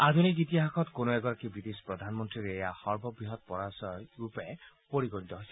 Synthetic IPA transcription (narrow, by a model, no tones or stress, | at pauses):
ad̪ʱunikɡit̪̬iɦakʰɔt̪konoɛɡɔɾakibɹid̪espɹɔd̪ʱanmɔnt̪ɹiɾejaxɔɹbʱɔbɹiɦɔt̪̚pɔɹasɔjɹupɛ | poɹikoit̪ɔɦojsɛ